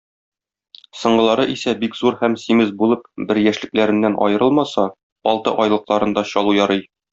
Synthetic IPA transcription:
sɤ̆ɴɢɤ̆lˠɑɾɤʔisæbikzuɾhæmsimɘzbulˠɤp̚bɘɾjæʃlɘ̆klæɾɘ̆nːænʔɒ̰jɤ̆ɾɤlˠmɑsɑ | ɒlˠt̪ɤ̰ʔɒjlˠɤ̆qlˠɑɾɤ̆nd̪ɑɕɒlˠujɒɾɤj

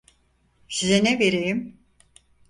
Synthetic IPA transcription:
sizenɛveɾejim

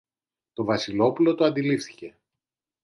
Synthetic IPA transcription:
t̪o̞vɐsilo̞pulo̞t̪oɐnd̪ilifθi̥ce̞

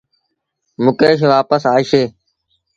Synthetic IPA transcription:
mʊkeːʃʋaːpəsaːiʃeː

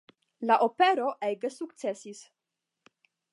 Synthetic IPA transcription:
laʔopeɾo̞ʔeɡesuktt͡se̞sis

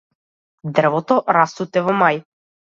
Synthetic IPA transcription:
d̪r̩vɔt̪ɔɾast̪ut̪ɛvɔmaj

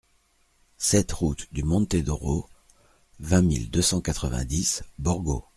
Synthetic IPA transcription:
sɛt̪ʁut̪d̪ymɔ̃t̪ed̪ɔʁo | vɛ̃mḭld̪øsɑ̃kat̪χəvɛ̰̃d̪isbɔʁɡo̰

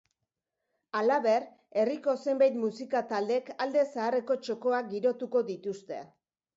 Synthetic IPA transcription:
alaβe̞r | e̞riko̞se̞mbajt̪musikat̪ald̪e̞kald̪e̞saːre̞ko̞t͡ʃo̞ko̞ak̚ɡiɾo̞t̪uko̞ðit̪ust̪e̞̰

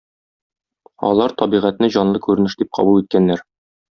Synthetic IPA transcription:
ɒ̰lˠɑɾt̪ɒbiʁæt̪nɘʑɒnlˠɤkʉɾɘ̆nɘ̆ʃd̪ip̚qʰɒ̰bulˠit̪̚kænːæɾ

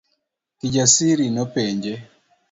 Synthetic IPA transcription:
kiɟasiɾinɔpɛɲɟɛ

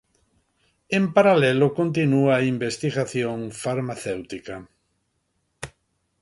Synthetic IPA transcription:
ẽmpaɾalɛlʊkont̪inuaimbest̪iɣaθjõŋfaɾmaθɛwt̪ika

